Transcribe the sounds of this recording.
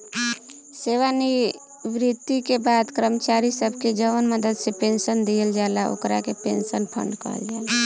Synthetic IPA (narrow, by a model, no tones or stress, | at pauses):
seʋani | ʋɾit̪ːikebaːd̪kɾəmət͡ʃaɾisəbʱked͡ʒəʋənməd̪əd̪sepẽnsənd̪ijəld͡ʒaːlao̰kɾa̰kepḛ̃nsənpʰə̰ɳɖkə̰ɾə̰ld͡ʒaːla